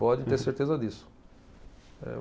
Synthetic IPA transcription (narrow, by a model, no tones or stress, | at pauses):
pɔd̪ẽt̪eɾseɾt̪ezɐd̪isʊ̥ | ɛ̰